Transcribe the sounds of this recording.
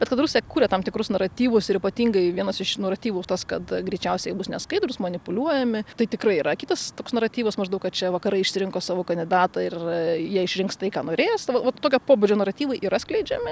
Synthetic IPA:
bʲɛt̪kɐt̪ɾusʲejɛkuːɾʲɛt̪ɐmt̪ʲɪkɾʊsnɐɾɐt̪ʲiːʋʊsɪɾiːpɐt̪ʲiːŋɡɐɪʋʲiɛnɐsɪʃnuɔɾɐt̪ʲiːʋuːt̪ɐskɐt̪ɡɾʲɛɪt͡ʃʲɛʊsʲɛɪjɛbʊsnʲɛskɐɪd̪ɾʊsmɐnʲɪpʊlʲuɔjɛmʲɪt̪ɐɪt̪ʲɪkɾɐɪiːɾɐkʲɪːt̪ɐst̪oːksnɐɾɐt̪ʲiːʋɐsmɐʒd̪ɐʊkɐt̪̚t͡ʃʲɛʋɐkɐɾɐɪɪʃʲsʲɪɾʲɪŋkoːsɑːʋoːkɐnʲd̪ʲɪd̪ɑːt̪ɐɪrjiɛɪʃʲɾʲɪŋkst̪ɐɪkɑːnoːɾʲeːsʋɐʋɐt̪ːoːkʲopoːbʊd͡ʒʲoːnɐrɐt̪ʲiːʋɐɪʔiːɾɐsʲklʲɛɪd͡ʒʲɛmʲɪ

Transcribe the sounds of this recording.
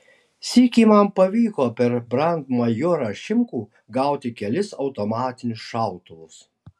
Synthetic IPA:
sʲiːkʲiːmɐmpɐʋʲiːkoːpʲɛɾbɾɐnd̪mɐjoɾɐʃʲɪmkuː | ɡɑˑʊt̪ʲɪkʲɛlʲɪsɒʊt̪omɑːt̪ʲɪnʲʊsʃɑˑʊt̪ʊʋʊs

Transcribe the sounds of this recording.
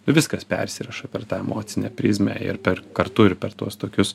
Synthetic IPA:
ʊʋʲɪskɐspʲɛ̰ɾʲsʲɪɾɐʃɐpʲɛɾt̪ɑːɛmoːt̪sʲɪnʲɛ̰pʲɾʲiːzʲmʲæ̰ːɪ̰ɾpʲɛɾkɐɾt̪ʊɪɾpʲɛɾt̪uɔst̪oːkʲʊs

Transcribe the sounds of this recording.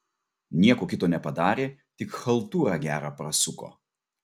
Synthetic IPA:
nʲiɛkoːkʲɪt̪oːnʲɛpɐd̪ɑːɾʲeːt̪ʲɪkxɐlˠt̪uːɾɑːɡʲæːɾɑpɾɐsʊko̰ː

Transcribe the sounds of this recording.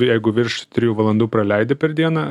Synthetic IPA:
jɛɪɡʊʋʲɪɾʃt̪ʲɾʲɪjuːʋɐlˠɐnd̪uːpɾɐlʲɛɪd̪ʲepʲɛɾd̪ʲiɛnɐ

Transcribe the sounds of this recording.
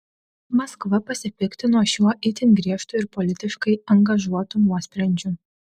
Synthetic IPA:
mɐskʋɐpɐsʲɪpʲɪkt̪ʲɪnuoːʃʲuɔʔɪt̪ʲɪnʲɡɾʲiɛʃt̪ʊɪɾpɔlʲɪt̪ʲɪʃkɐɪɐŋɡɐʒuɔt̪unuɔsʲpʲɾʲɛnʲd͡ʒʲʊ

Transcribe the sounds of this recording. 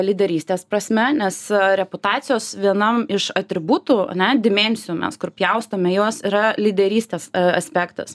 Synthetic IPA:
lʲɪd̪ʲɛɾʲiːsʲt̪ʲeːspɾɐsʲmʲɛnʲɛsɾʲɛpʊt̪ɑːt̪sʲɪjoːsʋʲiɛnɐmɪʃɐt̪ʲɾʲɪbuːt̪uːɐ̰nʲɛd̪ʲɪmʲɛnʲsʲɪjuːmʲɛ̰skʊɾpʲjɛʊst̪ɐmʲɛjoɔsiːɾɐlʲɪd̪ʲɛɾʲiːsʲt̪ʲeːsɐ̰sʲpʲæːkt̪ɐ̰s

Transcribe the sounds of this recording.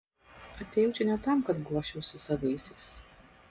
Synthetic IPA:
ɐt̪ʲɛːjɛʊt͡ʃʲɛnʲɛt̪ɐˑmkɐt̪ɡuɔʃʲɛʊsʊsɐʋɐɪsʲɪɪs

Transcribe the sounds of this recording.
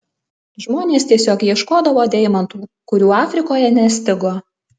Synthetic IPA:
ʒmoːnʲeːst̪ʲiɛsʲoːkjiɛʃkoːd̪ɐʋoːd̪ʲɛɪmɐnt̪uːkʊɾʲuːɑːfʲɾʲɪkoːjɛnʲɛsʲt̪ʲɪɡoː

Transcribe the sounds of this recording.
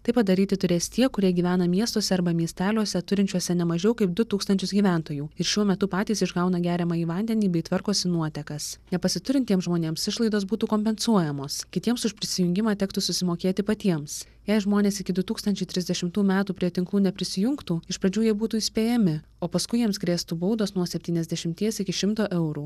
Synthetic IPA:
t̪ɐɪpɐd̪ɐɾʲiːt̪ʲɪt̪ʊɾʲeːst̪ʲiɛkʊɾʲiɛɡʲiːʋʲæːnɐmʲiɛst̪oːsʲɛɐɾbɐmʲiɛsʲt̪ʲæːlʲuɔsʲɛt̪ʊɾʲɪnʲt͡ʃʲuɔsʲɛnʲɛmɐʒʲɛʊkɐɪp̚d̪ʊt̪uːkst̪ɐnʲt͡ʃʲʊsɡʲiːʋʲæˑnt̪oːjuːɪɾʃʲuɔmʲɛt̪ʊpɑːt̪ʲiːsɪʒɡɐʊnɐɡʲæːɾʲɛmɑːiːʋɐnʲd̪ʲɛnʲiːbʲɛɪt̪ʲʋɐɾkoɔsʲɪnuɔt̪ʲɛkɐsnʲɛpɐsʲɪt̪ʊɾʲɪnʲt̪ʲiɛmsʒmoːnʲeːmsɪʃlˠɐɪd̪oːsbuːt̪uːkoːmʲpʲɛnsuɔjɛmoːskʲɪt̪ʲiɛmsʊʃpʲɾʲɪsʲɪjʊŋʲɡʲɪmɑːt̪ʲɛkt̪ʊsʊsʲɪmoːkʲeːt̪ʲɪpɐt̪ʲiɛms | jɛɪʒmoːnʲeːsɪkʲɪd̪ʊt̪uːkst̪ɐnʲt͡ʃʲɛɪt̪ʲɾʲɪzʲd̪ʲɛʃʲɪmt̪uːmʲæːt̪uːpʲɾʲiɛt̪ʲɪŋklˠuːnʲɛpʲɾʲɪsʲɪjʊŋkt̪uːɪʃpɾɐd͡ʒʲuːjiɛbuːt̪uːisʲpʲeːjɛmʲɪ | oːpɐskʊɪjiɛmsɡɾʲeːst̪uːbɐʊd̪oːsnuɔsʲɛpʲt̪ʲiːnɛzʲd̪ʲɛʃʲɪmʲt̪ʲiɛsɪkʲɪʃʲɪmt̪oːʔɛʊɾuː

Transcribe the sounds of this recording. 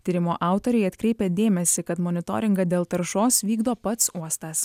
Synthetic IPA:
t̪ʲiɾʲɪmoːʔɑˑʊt̪oɾʲɛɪɐt̪ʲkɾʲɛɪpʲeːd̪ʲeːmʲɛsʲɪkɐt̪mɔnʲɪt̪o̰ːɾʲɪŋɡɐd̪ʲeːlˠt̪ɐɾʃoːsʋʲiːɡd̪oːpɐt̪suɔst̪ɑs

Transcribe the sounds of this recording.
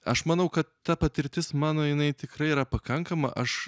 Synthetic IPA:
ɐʃmɐnɐʊkɐt̪t̪ɐpɐt̪ʲɪɾʲt̪ʲɪsmɑːnoːjɪnɐɪt̪ʲɪkrɐɪiːɾɐpɐkɐŋkɐmɐ̰ʔɐʃ

